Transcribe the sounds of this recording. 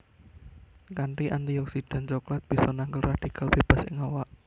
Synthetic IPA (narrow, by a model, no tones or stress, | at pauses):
kanʈiʔant̪iɔksid̪̥a̤nt͡ʃɔklat̪̚b̥isɔnaŋɡəlraɖ̥ikʰalb̥eb̥a̤sɪ̰ŋawaʔ